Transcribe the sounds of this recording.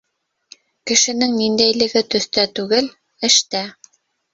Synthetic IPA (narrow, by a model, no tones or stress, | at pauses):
kɘ̆ʃɘ̆nɘŋnind̪æjlɘ̆ɡɘt̪ɵ̆θt̪æt̪ʉɡɘl | ɘ̆ʃt̪æ